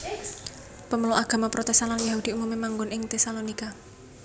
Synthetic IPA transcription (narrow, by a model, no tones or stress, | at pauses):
pəməloʔaɡ̥a̤mapɾʔɔt̪ɛst̪ananjaɦud̪̥i̤umumemaŋɡʊnɪŋt̪ɛsalonika